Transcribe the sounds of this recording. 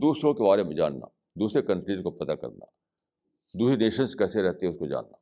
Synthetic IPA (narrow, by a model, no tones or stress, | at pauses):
d̪uːsɾõkebaːɾemẽd͡ʒa̰ːnːa̰ | d̪uːsɾekɐ̃npliːʈkopɐt̪akɐ̰ɾna̰ | d̪uːsineːʃənskɛːseɾɛɦt̪eɦɛʊskod͡ʒa̰ːnːaː